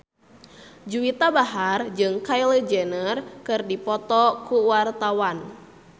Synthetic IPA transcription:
d͡ʒuit̪abaɦard͡ʒɨŋkailed͡ʒɛnərkɨrdipɔt̪ɔkuwart̪awan

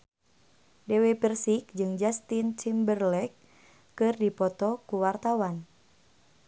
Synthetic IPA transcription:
dɛwepərsik̚d͡ʒɨŋd͡ʒast̪int͡ʃimbərlɛkː | ɨrdipɔt̪ɔkuwart̪awan

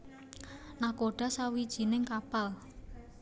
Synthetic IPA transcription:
nakoɖ̥a̤sawid̥ʒ̥i̤nɪŋkapal

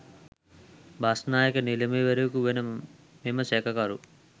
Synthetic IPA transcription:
bʱaːsnaːjɐkɐnilɐmeːʋɐɾɐkuʋinɐ | meːmɐsɛːkɐkaːɾu

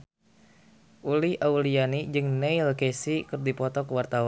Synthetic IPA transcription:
ʔuliʔaulianid͡ʒɨŋnɛilkesikɨrdipɔt̪ɔkəwart̪aw

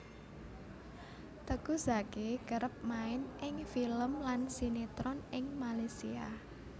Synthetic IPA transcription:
t̪əɡ̥ṳzaɡeɡ̥əɾəp̚maɪnʔɪŋfiləmlansinet̪ɾɔnɪŋmalasia̰

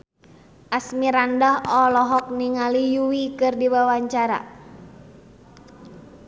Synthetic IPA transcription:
ʔasmiɾandahɔlɔɦɔk̚niŋalijuwikɨrdiwawaɲt͡ʃaɾa̰

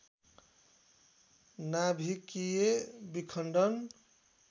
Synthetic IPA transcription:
nabʱikiebikʰəɳɖən

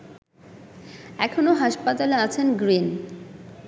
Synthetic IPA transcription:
ɛkʰonoɦaʃpat̪aleat͡ɕʰenɡɾin

